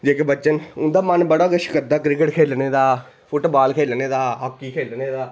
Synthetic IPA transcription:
d͡ʒeːkebət͡ʃənʊnd̪aːmənbəɽaːɡəʃkəd̪aːkɾɪkəʈkʰeːlneːd̪aː | pʰʊʈobaːlkʰeːlneːd̪aːɦakːiːkʰeːlneːd̪aː

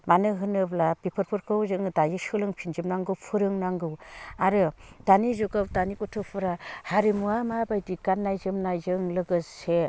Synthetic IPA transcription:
manɯɦɯnɯblabipʰɯɾpʰɯɾkʰɯwzɯŋdajɯsɯlɯŋpʰind͡ʒɯmnaŋɡɯwpʰɯɾɯŋnaŋɡɯwaɾɯd̥anizuɡɯwdanikɔtʰɯpʰɯɾahaɾimuamabajdikanːajzɯmnajzɯŋlɯɡɯse

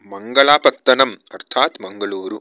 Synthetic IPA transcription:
mɐŋɡɐɭaːpɐt̪ːɐnɐmɐɾt̪ʰaːt̪mɐŋɡɐɭuːɾu

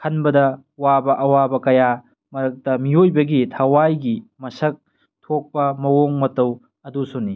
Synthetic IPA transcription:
kʰɐnbɐdɐ | wabɐʔɐwabɐkɐja | mɐɾɐk̚tɐmijojbɐɡitʰɐwajɡimɐsɐk̚ | tʰok̚pɐmɐwoŋmɐtɐw | ɐdusuni

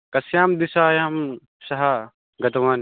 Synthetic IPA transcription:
kɐsjaːmd̪isaːjaːm | sɐɦa | ɡɐt̪ɐʋan

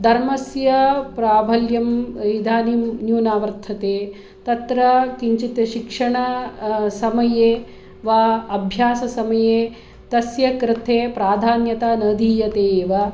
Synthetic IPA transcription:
d̪ʱɐɾmɐsjɐpɾaːbʱɐljɐmid̪ʱaːnimnjuːnaːʋɐɾt̪ʰɐt̪eː | t̪ɐt̪ɾɐkiɲt͡ʃit̪ɐʃikʂɐɳɐsɐmɐjeː | ʋaːɐbʱjaːsɐsɐmɐjeː | t̪ɐsjɐkɾɪt̪ʰeːpɾaːd̪ʱaːnjɐt̪aːnɐd̪ʱiːjɐt̪eːʋɐ

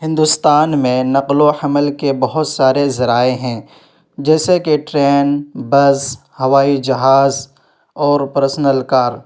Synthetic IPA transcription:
ɦɪ̃nd̪ʊst̪aːnmẽnɐqloħɐməlkebɐɦʊt̪saːɾezɐɾaːeɦɛ̃ | d͡ʒɛːsekeʈɾɛːnbɐz | hɐʋaːid͡ʒɐɦaːz | ɔːɾpɐɾsnəlkaːɾ

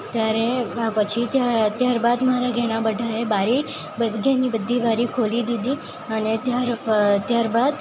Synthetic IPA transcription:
t̪jaɾeapət͡ʃʰit̪jat̪jaɾbad̪maɾaɡʱɛɽ̃abəɖʱaebaɾi | bəɡʱɛnibəd̪ʱːibaɾikʰolid̪id̪i | ənet̪jaɾt̪jaɾbad̪

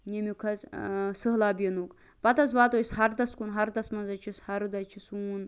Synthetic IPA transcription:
nemʲukʰɐzsɨɦlaːbʲɐnuk | pɐt̪ɐzbaːt̪ojsɦɐɾd̪ɐskunɦɐɾd̪ɐsmɐnzɐt͡ʃʰishɐɾd̪ɐt͡ʃʰisuːn

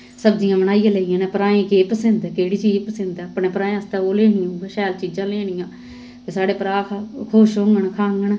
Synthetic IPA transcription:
səbd͡ʒijãːbənaːijãːlɛːijãːneːpəɾaːẽːkeːpəsɪnd̪keːɽit͡ʃiːpəsɪnd̪aːpɳeːpɾãːẽəst̪aoːleːɽĩjãɡeːʃɛːlt͡ʃiːd͡ʒãːleːɳ̃ɪjãː | k̪esaːɽeːpəɾaːkʰakʰoːʃɦõːŋɡəɳkʰaːŋɡəɳ

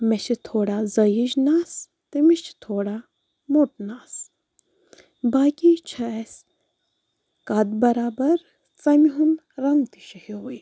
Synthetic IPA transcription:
meʃit̪ʰoːɽaːzɐjid͡ʒnaːs | t̪emiʃt̪ʰoːɽaː | muʈ̚naːs | baːkit͡ʃʰɐes | kɐd̪bɐɾaːbɐɾ | t͡sɐmiɦun | ɾɐŋɡt̪i̥ʃɐhioi

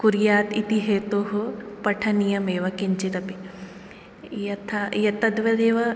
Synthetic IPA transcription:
kuɾjaːt̪it̪iɦeːt̪oːɦopɐʈʰɐnijɐmeːʋɐkiɲt͡ʃit̪ɐpi | jɐt̪ʰajɐt̪ɐd̪ʋɐd̪eːʋɐ

